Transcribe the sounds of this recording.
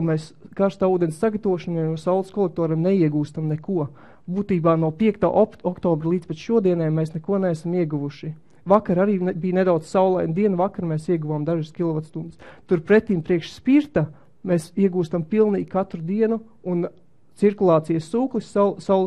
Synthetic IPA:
mɛːskaɾst̪aːuːd̪ɛnsːaɡat̪ɐvuɔʃanajnuɔsawlˠskɔlˠɛk̚t̪ɔːɾemnɛiɛɡuːst̪amnɛkuɔ | buːt̪iːbaːnuɔpiɛk̚t̪a̰ːʔɔkt̪ɔːbɾlˠiːzpet̪ʃuɔd̪iɛnɛːjmɛsnɛkuɔneasamiɛɡuʋuʃi | vakaɾaɾiːbiːned̪awd̪z̥sawlˠajund̪iɛnuvakaɾmeːsiɛɡuvaːmd̪aʒaskʲilˠɔʋat̪st̪und̪ɪ̥st̪uɾpɾɛt̪ːiːmpɾiɛkʃspiɾt̪ɐ | meːsiɛɡuːst̪ampilˠniːɡkat̪ɾud̪iɛnu | un | t̪siɾkulˠɑːt̪sijəsːuːklˠissawlˠ

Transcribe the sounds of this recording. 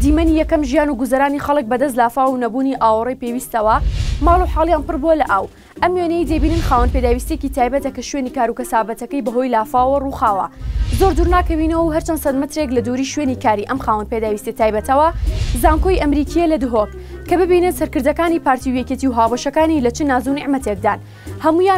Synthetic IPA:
d̪iːmɐnijɛkɐmʒijaːnuɡuzɐɾaːnixɐlˠɨk̚bɐd̪ɐs̬t̪laːfaːwunɐbuniʔaːwɐɾejpeːwiːst̪ɐwɐmaːlˠuħaːlˠjaːnpɨrbulɐʔaːw | ʔɐmjenejd̪ebiːnɨnxaːwɐnped̪aːwist̪jekcit̪ʰaːjbɐt̪ɐkɐʃɥeːnikaːɾukɐsaːbɐt̪ɐkɐjbɐɦo̞jlaːfaːwwɐruːxaːwɐ̰zoɾd̪uːɾnaːkɐwinɐwɐwɦɐɾt͡ʃɐnsɐd̪mɨt̪ɾeklɐd̪uɾiːʃweːnikaːɾiʔɐmxaːwɐnped̪aːwist̪it̪aːjbɐt̪ʰɐwɐzaːŋkojʔɐmɾiːkijelɐd̪ɨɦok | kːɐbɨbinɨnsɐɾkɨɾd̪ɐkaːnipaːɾt̪iuwjeket̪iwɦaːwbɐʃɐkaːnilɐt͡ʃɨnaːzunɪʕmɐt̪ek̚d̪aːn | hɐmuja

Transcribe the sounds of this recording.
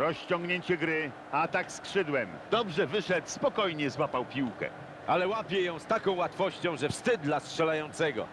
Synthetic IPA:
ɾɔɕt͡ɕɔ̃ŋɡɲeɲt͡ɕɛɡɾɘ | at̪akskʂɘd̪wɛmd̪ɔbʐɛvɘʂɛt̪spɔkɔjɲɛzwapawpʲiwkɛ̰ | ʔalɛwapʲjɛjɔ̃w̃st̪akɔ̃w̃wat̪fɔɕt͡ɕɔ̃w̃ʐɛfst̪ɘd̪d̪lastʂɛlajɔ̃nt̪sɛɡɔ̰

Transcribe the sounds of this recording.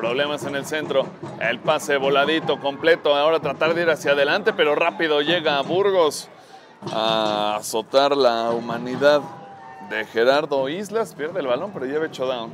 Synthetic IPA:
pɾo̞βle̞mase̞ne̞lse̞nt̪ɾo̞ḛlpase̞βo̞laðit̪o̞ko̞mple̞t̪o̞ao̞ɾat̪ɾat̪aɾðe̞iɾasjaðe̞lant̪e̞pe̞ɾo̞rapiðo̞ʝe̞ɣaːβuɾɣo̞s | aːso̞t̪aɾlaumãniðað | de̞xe̞ɾaɾðo̞izlaspje̞ɾðeːlβalo̞mpe̞ɾo̞ʝe̞βet͡ʃoðao

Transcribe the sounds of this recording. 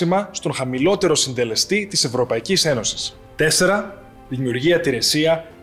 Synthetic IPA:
imɐst̪o̞ŋxɐmilo̞t̪e̞ɾo̞sind̪e̞le̞st̪it̪ise̞vɾo̞pɐicise̞no̞si̥s | t̪e̞se̞ɾɐ | ðimiuɾʝiɐt̪iɾe̞siɐ

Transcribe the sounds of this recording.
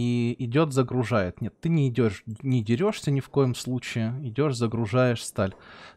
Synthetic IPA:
iɪdʲo̞t̪zəɡɾʊʐajɪt̪nʲe̞t̪ːɨnʲɪɪdʲoʂnʲɪdʲɪɾʲo̞ʂsʲənʲɪfko̞jəmslˠut͡ɕɪɪɪdʲo̞ʂzəɡɾʊʐajɪʂst̪alʲ

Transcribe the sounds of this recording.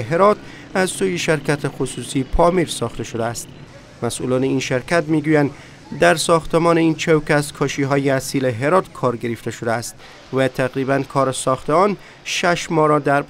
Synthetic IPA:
ɦeɾɒːt̪ʰ | æzsuːjeʃeɾkʰæt̪ʰexosuːsiːpʰɒːmiːɾsɒːxt̪e̞ʃod̪eæst̪ | mæsʔṵːlɒːneiːnʃeɾkʰæt̪miːɡuːjænd̪ | d̪æɾsɒːxt̪ʰemɒːneiːnt͡ʃʰewkʲæskʰɒːʃiːɦɒːjeæsiːleɦe̞ɾɒːt̪kʰɒːɾɡe̞ɾeft̪e̞ʃod̪eæst̪ | væt̪ʰæɣɾiːbænkʰɒːɾesɒːxt̪ʰeɒːn | ʃæʃmɒːɾɒːd̪æɾ

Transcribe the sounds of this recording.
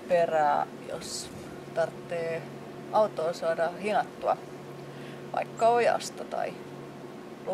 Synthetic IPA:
peræː | jo̰s | t̪ɑrt̪ːeː | ɑut̪oːsɑːdɑhinɑt̪ːuɑ̰ | ʋɑ̰ikːɑojɑ̰st̪ɑt̪ɑ̰i | l

